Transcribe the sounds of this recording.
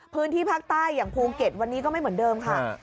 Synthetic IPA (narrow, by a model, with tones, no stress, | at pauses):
pʰɯː˦˥nt̪ʰiː˥˩pʰaː˥˩k̚t̪aː˥˩jːaː˨˩ŋpʰuː˧ke˨˩t̪̚wa˧nːiː˦˥k̬ɔː˥˩ma˥˩jm˩˦əndɤː˧mkʰa˦˥˩